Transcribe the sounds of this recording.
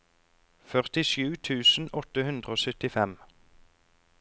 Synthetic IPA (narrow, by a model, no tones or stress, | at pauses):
fœʁt̪ɪʃʉːt̪ʰʉːsn̩ɔt̪əhʉnd̪ʁəoːsœt̪ɪfɛm